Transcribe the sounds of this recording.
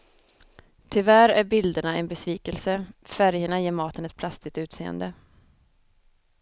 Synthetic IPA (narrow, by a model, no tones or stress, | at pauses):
t̪ʰɪvæɾæɾbɪld̪əɳaɛnbɛsviːkəlsəfæɾjəɳajeːɾmɑːt̪ənɛt̪̚pʰlast̪ɪt̪ʉ̟ːt̪sḛːə̰nd̪ə